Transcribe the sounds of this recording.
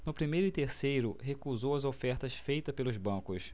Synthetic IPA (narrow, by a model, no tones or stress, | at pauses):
nʊpɾimejɾʊɪt̪eɾsejɾʊɦekuzowɐzofɛɾt̪ɐsfejt̪ɐspelʊzbɐ̃kʊs